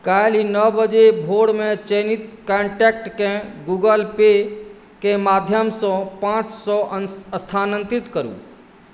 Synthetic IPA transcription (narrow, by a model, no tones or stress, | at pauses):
kalinəbəd͡ʒebʱoɽmet͡ʃenit̪kaɳʈɛkʈkẽɡuɡəlpe | kemad̪ʱjəmsɔ̃pãt͡ʃsɔʔəəst̪ʰanə̃nt̪ɾit̪kəɾṵ̃